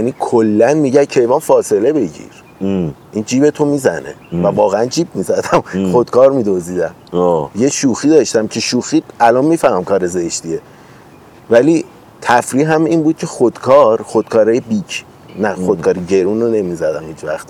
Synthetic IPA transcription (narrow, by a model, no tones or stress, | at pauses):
jænikʰolːænmiɟæcʰe̞jvɒːnfɒːse̞le̞be̞ɟḭɾ | ʔind͡ʒiːbe̞t̪ʰo̞miːzæne̞̰vævɒːɣeænd͡ʒiːb̚mizæd̪æmxod̪̥̚kʰɒːɾmiːd̪oziːd̪æmoje̞ʃuːxiːd̪ɒːʃt̪æmcʰe̞ʃuːxiːælɒnmiːfæhmæmkʰɒːɾe̞zeʃt̪ie | væli | t̪ʰæfɾiɦæmiːnbuːd̪̚cʰexod̪̥kʰɒːɾχod̪̥kʰɒːɾɑːjebicʰ | næxod̪̥̚kʰɒːɾiɟe̞ɾunone̞mizæd̪æmhiːt͡ʃvæ̰xt̪i